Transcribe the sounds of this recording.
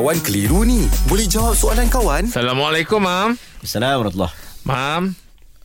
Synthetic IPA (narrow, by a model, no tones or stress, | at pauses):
wankəliɾunibolɛhd͡ʒawap̚soalankawansalamwalajkʊmːamasalamɾɑt̪lːɔ̰hmam